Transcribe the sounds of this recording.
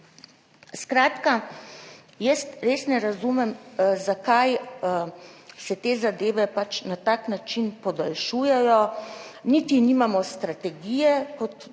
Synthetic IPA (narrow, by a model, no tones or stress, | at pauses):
skɾaːt̪ka | jəst̪ɾeːsnɛɾazumɛmzakaj | sɛt̪eːzad̪eːʋɛpat͡ʃnat̪aknat͡ʃinpɔd̪alʃuːjɛjɔniːt̪inimamɔst̪ɾat̪ɛɡiːjɛkɔt̪